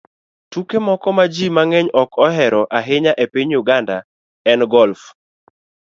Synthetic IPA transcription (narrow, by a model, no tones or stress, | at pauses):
tukemɔkɔmad͡ʒimaŋɛɲɔkɔɦɛɾɔʔaɦɪɲaʔepiɲjuɡanda | ɛnɡɔlf